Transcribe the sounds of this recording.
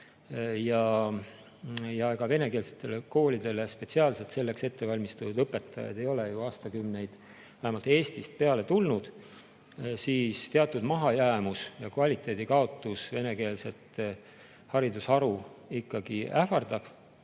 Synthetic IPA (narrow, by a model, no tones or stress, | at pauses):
jɑ | jɑɡ̥ɑve̞ne̞ke̞ːlse̥t̪ːˑe̞leko̞ːlʲid̪̥e̞le̞spe̞t̪siɑːlse̞lt̪se̞lːe̞kse̞t̪ːe̞vɑlʲmist̪uud̪ɤpːˑe̞t̪ːˑɑjɑ̰d̪̥e̞jo̞lejuɑːst̪ɑkymne̞jd̪̥ | væhæmɑlt̪e̞ːst̪ist̪̚pe̞ɑle̞t̪ulnud̪̥ | siːst̪eɑt̪ːˑud̪mɑɦɑjæːmusjɑkvɑlʲit̪ːˑe̞ːd̪ikɑo̞t̪ːˑusve̞ne̞ke̞ːlse̞t̪ˑ | hɑɾid̪usɑɾuikːɑɡiæfɑrd̪̥ɑb̥